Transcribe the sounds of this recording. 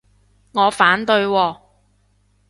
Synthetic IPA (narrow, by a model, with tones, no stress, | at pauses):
ŋɔː˨˧faː˨˥nt̪ɵ˧ɥwɔː˧